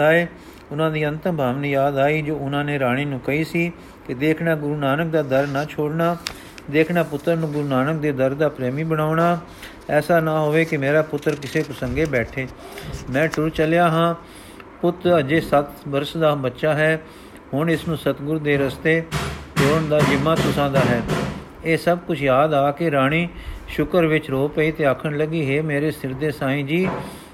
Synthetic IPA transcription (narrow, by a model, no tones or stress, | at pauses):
aːeː | ʊnãːd̪iːənt̪əbʱaːʋniːjaːd̪aːiːd͡ʒoːʊnãːneːɾaːɽ̃iːnũːkəiːsiː | kɪd̪eːkʰnaːɡʊɾuːnaːnək̚d̪aːd̪əɾnãːt͡ʃʰoːɽnaː | d̪eːkʰnaːpʊt̪ːəɾnũːɡʊɾuːnaːnək̚d̪eːd̪əɾd̪aːpɾɛːmiːbəɽaːɳaː | ɛːsaːnãːɦoːʋeːkɪmeːɾaːpʊt̪ːɾkɪseːpəsəŋɡeːbɛːʈʰeː | mɛ̃ːʈʊɾt͡ʃəljaːɦãː | pʊt̪əd͡ʒeːsət̪bəɾsd̪aːbətːʃaːɦɛː | hʊɳɪsnũːsət̪ɡʊɾd̪eːɾəst̪eːt̪eːʊnd̪aːd͡ʒɪmːaːt̪ʊsãːd̪aːɦɛː | eːsəbkʊt͡ʃʰjaːd̪aːkɪɾaːɽ̃iːʃʊkəɾʋɪt͡ʃɾoːpəiːt̪eːaːkʰəɳləɡiːɦeːmeːɾeːst̪ɪɾd̪eːsãːĩːd͡ʒiː